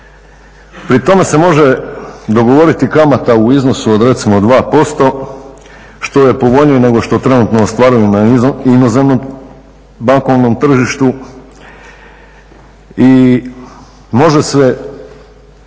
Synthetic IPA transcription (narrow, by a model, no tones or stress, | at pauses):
pɾit̪o̞me̞se̞mo̞ʒe̞d̪o̞ɡo̞ʋo̞ɾit̪ikamat̪auizno̞suod̪ɾe̞t̪simod̪ʋaːpo̞st̪o̞ | ʃt̪o̞je̞po̞ʋo̞ʎɲijene̞ɡo̞ʃt̪o̞t̪ɾe̞nut̪noːst̪ʋaɾujunaiinozemno | baŋko̞ʋnomt̪r̩ʒiʃt̪u | i | mo̞ʒesʋe